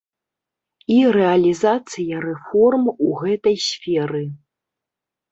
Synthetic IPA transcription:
irɛɐlʲizat̪sɨjɐɾɛfɔrmuɣɛt̪ɐjsʲfʲɛɾɨ

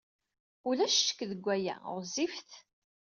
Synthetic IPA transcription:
ʊlæʃʃə̥kːðəɡʷːæjæ̰ɾzifθ

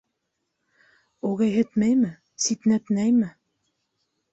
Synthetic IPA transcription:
uɣæjɦɘ̆t̪mæjmɘ | sit̪næt̪næjmɘ

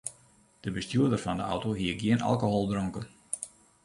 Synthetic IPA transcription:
d̥əbəstjuədərfɔndəɔ̰wtoɦiəɡjɪənʔa̰lˠkoɦolˠbrɔŋkən

